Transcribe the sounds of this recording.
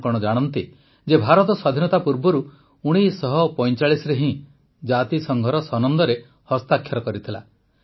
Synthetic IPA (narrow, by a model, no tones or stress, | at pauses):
kɔɽ̃ɔd͡ʒaɽ̃ɔnt̪i | d͡ʒebʱaɾɔt̪ɔswad̪ʱinɔt̪apuɾbɔɾu | uɽ̃isɔɦɔpɔj̃t͡ʃaɭisɾeɦĩ | d͡ʒat̪isɔŋɡʱɔɾɔsɔnɔnd̪ɔɾe | hɔst̪akʰjɔɾɔkɔɾit̪ʰila̰